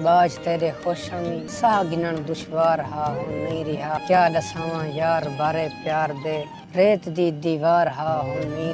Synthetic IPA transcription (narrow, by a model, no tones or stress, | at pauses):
ɓaːd͡ʒt̪eːɾeːxoːʃãːmĩːsaɡɪnəɳd̪ʊʃʋaːɾɦaːɦʊnmiːɾiːɦaːk̪jaːləsãːʋãːjaːɾbaːɾeːpjaːɾd̪eː | ɾeːt̪d̪iːd̪iːʋaːɾɦaːɦʊnmiː